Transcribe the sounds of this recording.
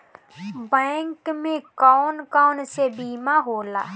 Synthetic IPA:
bɛ̃ːŋkmẽkɔːnkɔːnsebiːmaɦoːla̰ː

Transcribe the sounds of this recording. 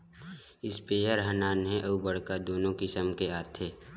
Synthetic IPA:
ɪspeːjəɾɦənaːnɦɛ̃ʔɐubəɽ̤kad̪oːnõkɪsəmkeaːt̪ʰeː

